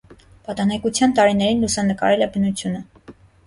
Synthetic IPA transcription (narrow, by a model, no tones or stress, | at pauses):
pɑt̪ɑnɛkut͡sʰjɑnt̪ɑɾinɛɾinlusɑnəkɑ̰ɾɛlɛbənut͡sʰjunə